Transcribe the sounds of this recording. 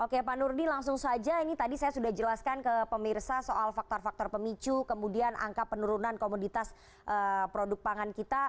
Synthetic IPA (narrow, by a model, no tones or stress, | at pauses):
ʔokepanurnilaŋsʊŋsad͡ʒainit̪adisajasudahd͡ʒəlaskankəpəmirsasoʔalfak̚t̪ɔrfak̚t̪ɔrpəmit͡ʃukəmudianʔa̰ŋkapːənuɾunankomodit̪as | ʔəpɾodʊk̚paŋankit̪a